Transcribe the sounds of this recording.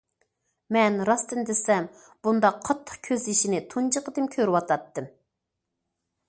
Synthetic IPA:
mɛnɾɑst̪ɨnd̪ɪsɛm | b̥und̪ɑqʰːɑt̪ʰːə̥qkʲʰøziʃinɪt̪ʰunt͡ʃəqəd̪ɨmkʲʰøɾwɑt̪ʰɑt̪ːɨm

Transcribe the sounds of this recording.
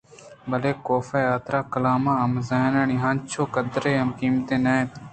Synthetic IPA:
bɐleːkoːfaːjaːt̪ɾaːkɐlaːmãːɐmzaːnaːniːɦãːnt͡ʃʰoːkəd̪ɾeːɐmkiːmt̪ẽːnaːẽːt̪

